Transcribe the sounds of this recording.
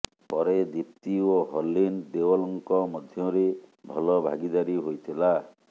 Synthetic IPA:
pɔɾed̪ip̚t̪ioɦɔlːind̪ewɔlɔŋkɔmɔd̪ʱjɔɾebʱɔlɔbʱa̰ɡid̪aɾiɦojt̪ʰila

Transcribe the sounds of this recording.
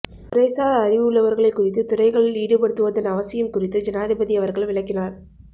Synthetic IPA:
ʊɾɐɪsaːlɐɾɪʋɯɯɭːɐʋɐɾɣɐɭɐɪkːʊrɪt̪ːɯt̪ʊrɐɪɣɐɭɪliːɽɯpɐɽɯt̪ːɯʋɐðɐnɐʋɐsɪjɐmkʊrɪt̪ːɯd͡ʒɐnaːðɪbɐðɪɐʋɐɾɣɐɭʋɪɭɐɪkːɪnaːɾ

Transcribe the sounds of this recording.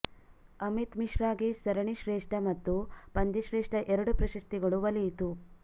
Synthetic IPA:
ɐmit̪miʃɾaːɡisɐɾɐɳiʃɾeːʂʈɐmɐt̪ːupɐnd̪iʃɾeːʂʈɐʔɛɾɐɽupɾɐʃɐst̪iɡɐɭuʋɐlit̪u

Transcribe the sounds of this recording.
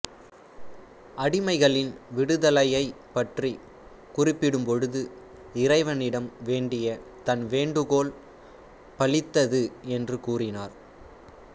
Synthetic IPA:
ʔɐɽɪmɐɪɣɐɭɪnʋɪɽɯðɐlɐjɐɪ | pɐʈri | kʊrɪpːɪɽɯmpɔɻɯðɯ | ɪrɐɪʋɐnɪɽɐmʋeːɳɖɪjɐt̪ɐnʋeːɳɖɯɣoːl | pɐɭɪt̪ːɐðɯɛndrɯkuːrɪnaːɾ

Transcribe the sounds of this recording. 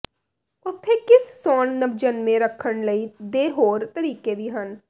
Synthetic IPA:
ʊt̪ʰːekɪssɔːnnɐbd͡ʒənmẽɾɐkʰənlɐid̪eːɦoːɾt̪ɐɾiːkebʱiɦən

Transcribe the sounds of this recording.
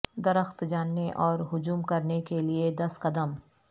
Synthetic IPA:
d̪ɐɾəxt̪d͡ʒaːnːeʔɔːɾɦʊd͡ʒuːmkɐɾnekelied̪ɐsqɐd̪əm

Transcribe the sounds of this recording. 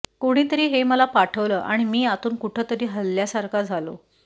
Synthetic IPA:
koɽ̃iːt̪əɾiːɦeməlapaʈʰəʋləːʔa̰ɽ̃imiːat̪uːnkuʈʰət̪əɾiːɦəlːjasaɾkʰad͡zʱalo̰

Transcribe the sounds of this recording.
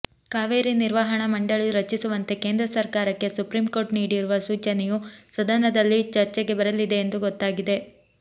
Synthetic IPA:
kaːʋeːɾiniɾʋɐɦɐɳɐmɐɳɖɐɭujuɾɐt͡ʃːisuʋɐnt̪e̞keːnd̪ɾɐsɐɾkaːɾɐkːe̞supɾiːmko̞ːʈniːɽiɾuʋɐsuːt͡ʃɐnejusɐd̪ɐnɐd̪ɐlːit͡ʃɐɾt͡ʃɛɡe̞bɐɾɐlid̪e̞ːnd̪uɡɔt̪ːaːɡid̪e̞

